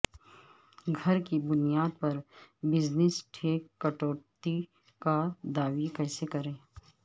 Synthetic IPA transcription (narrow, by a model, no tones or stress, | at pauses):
ɡʱɐɾkibʊnijaːd̪̚pɐɾbɪd͡ʒnɪsʈʰeːkːɐʈoːt̪i | kad̪aːʋikɛːsekɐɾẽː